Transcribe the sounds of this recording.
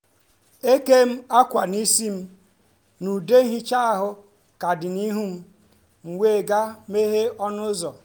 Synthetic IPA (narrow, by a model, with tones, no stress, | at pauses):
e˦ke˦m̩˦a˦kʷa˨ni˦si˦m̩˦ | nu˨de˦n̩˦ɦi˦t͡ʃa˦a˨ɦʊ˦ | ka˨dɪ˨ni˦ɦu˦m̩˦ | ŋ̩˨wʷe˦˨ɡa˦me˦ɦe˦ɔ˦nʊ˦zɔ˨